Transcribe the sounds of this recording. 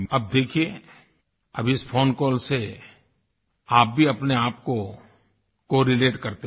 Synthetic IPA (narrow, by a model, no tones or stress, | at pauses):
ɐb̚d̪eːkʰie | ɐ̰bʱɪspʰoːnkɔːlse | aːp̚bʱiɐpneaːpko | koːɾɪleːʈkɐɾt̪e